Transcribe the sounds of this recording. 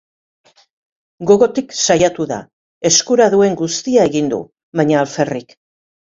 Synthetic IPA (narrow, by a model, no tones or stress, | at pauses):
ɡo̞ɣo̞t̪iksajat̪uða̰ | e̞skuɾaðue̞ŋɡust̪iae̞ɣind̪ṵ | βajɲaːlfe̞rik